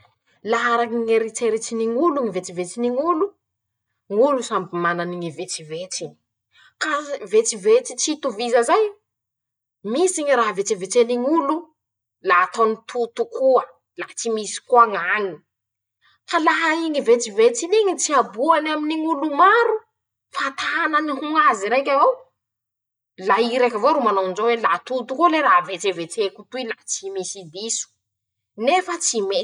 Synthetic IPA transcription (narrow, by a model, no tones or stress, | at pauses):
laɦaɾaŋiŋeɾit̪eɾit͡siniŋuluŋivet͡sivet͡siniŋulu | ŋulusambimananiŋivet͡sivet͡siɲi̥ | kavet͡sivet͡sit͡sit̪uvizəzaj | misiɲiɾaɦavet͡sivet͡seniŋulu | laɦat̪onit̪ʰut̪ukuə | lahat͡simisi̥kuaŋaŋi | falaɦaiŋivet͡sivet͡siniŋit͡siabuanaminiŋulumaɾu | fat̪aanəniɦuŋaziɾekʲavow | laiɾekavoɾumanoinzowelat̪ut̪ukuleɾaɦvet͡sevet͡sekut̪uilat͡simisid̪isu̥ | nefət͡sime